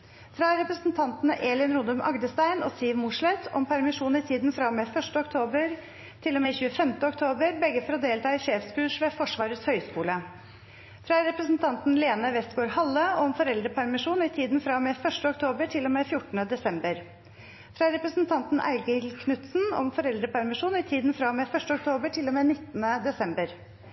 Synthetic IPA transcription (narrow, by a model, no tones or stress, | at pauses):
fɾɑɾɛpɾəsn̩t̪ʰɑnt̪nəʔeːlɪnɾʊnd̪ʉmʔɑ̰ɡd̪əst̪æɪnɔ̰st̪iːʋmʊʂɭɛt̪ʰɔ̰mpʰæɾmɪʂuːnɪt̪ʰiːd̪n̩fɾɑmeːfœʂʈəɔkt̪ʰoːbəɾ | t̪ʰɪlːɔmeːɪçʉːəfɛmt̪əɔk̚t̪ʰoːbəɾbɛɡːəfɔɾɔd̪eːlt̪ɑːɪʂeːfskʉːʂʋeːfɔʂʋɑːɾət̪shœʏskuːlə | fɾɑɾɛpɾəsn̩t̪ʰɑnt̪n̩leːnəʋɛst̪̚ɡoːɾhɑlːəɔɔmfɔɾɛld̪ɾəpʰæɾmɪʂuːnɪt̪ʰiːd̪n̩fɾɑmeːfœʂʈəɔkt̪ʰoːbəʈʰɪlːɔmeːfjʊʈːən̩əd̪ɛsɛmbəɾ | fɾɑɾɛpɾəsn̩t̪ʰɑnt̪n̩ʔæ̰ɪɡəɪlkʰnʉt̪sn̩ɔ̰mfɔɾɛld̪ɾəpʰæɾmɪʂuːnɪt̪ʰiːd̪nfɾɑmeːfœʂʈəɔkt̪ʰoːbəʈʰɪlːɔmeːnɪt̪ːənəd̪ɛsɛmbəɾ